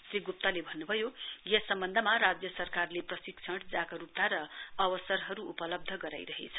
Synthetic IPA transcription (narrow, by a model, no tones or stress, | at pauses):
sriɡup̚t̪alebʱʌnːubʱʌjojesʌmbʌnd̪ʱʌmaɾad͡zjʌsʌrkarleprʌsikt͡sʰʌʈd͡zakaɾup̚t̪aɾʌʌbʌsʌrɦʌɾuupʌlʌb̚d̪ʱʌɡʌɾa̰jɾʌɦḛt͡sʰʌ̥